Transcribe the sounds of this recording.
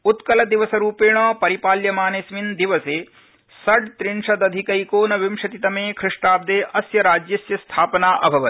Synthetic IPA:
ut̪kɐlɐd̪iʋɐsɐɾuːpeːɳɐːpɐɾipaːljɐmaːnesmind̪iʋɐseː | sɐɖt̪ɾiɳʂɐd̪ɐd̪ʱikɐjkoːnɐʋimʃɐt̪it̪ɐmeːkʰɾɪʂʈaːb̚d̪eːʔɐsjɐɾaːd͡ʒjɐsjɐst̪ʰaːpɐnaːʔɐbʱɐʋɐt̪

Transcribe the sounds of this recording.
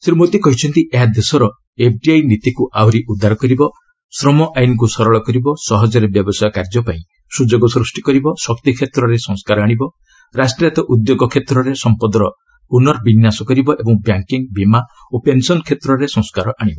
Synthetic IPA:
siɾimot̪ikɔɦit͡ʃʰɔnt̪iʔeɦad̪esɔɾɔ | ep̚ʰʈiajnit̪ikuʔawɾiʔud̪ʱaɾɔkɔɾibɔ | sɾɔmɔʔajnɔk̬usɔɾɔɭɔkɔɾibɔsɔɦɔd͡ʒɔɾebjɔbɔsɔjɔkaɾd͡ʒɔpaĩ | sud͡ʒoɡɔsɾusʈikɔɾibɔsɔkt̪ikʰet̪ɾɔɾesɔ̃ŋskaɾɔaɽ̃ibɔ | ɾasʈijat̪ɔʔud̪joɡɔkʰet̪ɾɔɾesɔmpɔd̪ɾɔ | unɔɾbinjasɔkɔɾibɔʔebɔŋbjaŋkiŋbima | opensɔnkʰet̪ɾɔɾesɔ̃ŋskaɾɔʔaɽ̃ibɔ

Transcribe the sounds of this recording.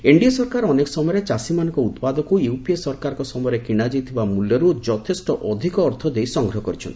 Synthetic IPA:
eɳɖiasɔɾkaɾɔnekɔ̥sɔmɔjɔɾet͡ʃasimanɔŋkɔut̪pad̪ɔkujuwpiesɔɾkaɾɔkɔsɔmɔjɔɾekiɽ̃ad͡ʒijt̪ʰibamuljɔɾud͡ʒɔt̪ʰesʈɔʔɔd̪ʱikɔːɾt̪ʰɔd̪ejsɔŋɡɾɔɦɔkɔɾit͡ʃʰɔn

